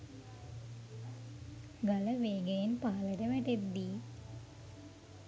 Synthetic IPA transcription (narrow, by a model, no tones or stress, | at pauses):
ɡaləʋeːɡejenpaːləʈəʋɛʈed̪ːiː